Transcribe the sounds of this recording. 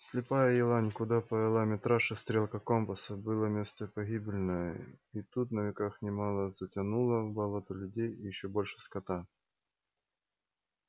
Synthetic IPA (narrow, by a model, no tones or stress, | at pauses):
sʲlʲɪpajəjɪlˠanʲkʊd̪apɐjɪlˠamʲɪt̪ɾaʂɨst̪ɾʲe̞lˠkəkompəsəbɨlˠəmʲe̞st̪əpɐɣʲibʲɪlʲɪnəjəit̪ut̪nəvʲɪkaxnʲɪmalˠəzətʲɐnulˠəbɐlˠot̪ɐlʲʉdʲejjɪɕːobo̞lʲʂɨ̥skɐt̪a